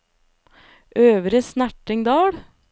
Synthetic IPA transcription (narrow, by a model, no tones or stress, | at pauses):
ʔøːʋɾəsnæʈɪŋd̪ɑːɽ